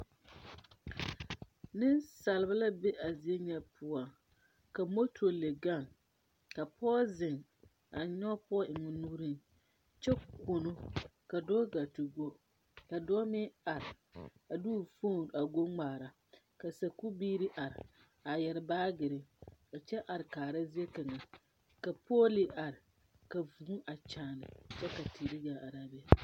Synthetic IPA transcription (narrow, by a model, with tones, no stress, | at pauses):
nɪ˦nsa˨lɪ˨ba˦la˦be˦ʔa˨zi˨˦e˦ɲɛ˦pʰʊ˨ɔ˨ | ka˨mo˦tʰo˨le˨ɡa˦˨ŋ | ka˨pʰɔː˦zɪ˨ŋ | a˨ɲɔ˦pɔ˦ɔ˦ʔɪ˨ŋɔ˨nuː˦ɾi˦n | t͡ʃɛ˦ko˨no˦ka˨dɔ˦ɡa˨ti˨ɡo˦ | ka˨dɔ˦mɪ˦a˨ɾɪ˨ | a˨du˦˨fo˦˨a˨ɡo˦ŋ͡maː˨ɾa˨ | ka˨sa˨ku˦biː˦ɾi˦ʔa˨ɾɪ˨ | a˨jɛ˨ɾɪ˨baː˦ɡɪ˨ɾɪ˦ɔ˨t͡ʃɛ˦ʔa˨ɾɪ˨kaː˨ɾa˦zi˦e˦ka˨ŋa˨ | ka˨pʰoː˦li˨a˨ɾɪ˨ | ka˨vu˨˦ʔa˨t͡ʃaː˨nɪ̰˨t͡ʃɛ˦ka˨tʰi˨ɾi˦ɡaː˨˦ʔa˨ɾaː˨˦bɛ˦